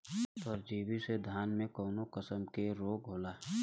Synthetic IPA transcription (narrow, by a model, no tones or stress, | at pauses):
ɔːɾd͡ʒiːwised̪ʱaːnmẽkɔːnokəsəmkeɾoːɡɦoːlaː